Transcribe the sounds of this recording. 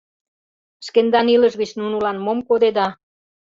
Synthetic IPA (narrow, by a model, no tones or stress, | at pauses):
əʃkend̪ɑniləʃɣət͡ɕnunulɑnmomkod̪ed̪ɑ